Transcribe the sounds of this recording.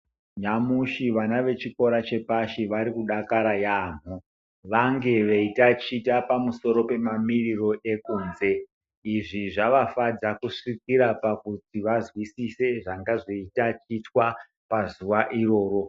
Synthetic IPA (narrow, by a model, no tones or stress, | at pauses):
ɲamuʃiʋanaʋe̞t͡ʃiko̞ɾat͡ʃe̞paʃiʋaɾikuɗakaɾajaːn̤u | ʋaŋɡe̞ʋeitat͡ʃitapamuso̞ɾo̞pe̞mamiriro̞ʔe̞kuːnze̞ | iʐiʐaʋafad͡zakuʂik̚iɾapakutiʋazwisise̞ʐaŋɡaʐiitat͡ʃitwa | pazuʋaʔiro̞ːɾo̞